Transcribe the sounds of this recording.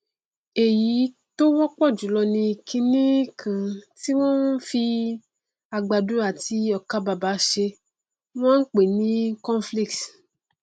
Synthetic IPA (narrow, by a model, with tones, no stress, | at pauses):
e˨ji˨˦ | to˦wɔ˦k͡pɔ˦˨d͡ʒu˨˦lɔ˧nĩ˧˨kʰĩ˧nĩ˦kʰã˨ti˦w̃ɔ̃˦n˦fi˧ | a˨ɡ͡ba˨du˨˦a˨ti˧ɔ˨ka˧˦ba˨ba˨˦ʃe˧ | w̃ɔ̃˦n̩˦k͡pe˨nĩ˨˦kɔ̃˦n˦fli˦˨k̚t